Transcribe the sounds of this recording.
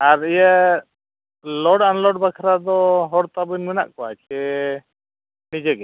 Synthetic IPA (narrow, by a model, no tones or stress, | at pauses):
aɾija | lɔɽanlɔɖbakʰɾad̪ɔɦɔɽt̪abinmina̰ʔkɔat͡ʃʰɛ | nid͡ʒɛɡɛ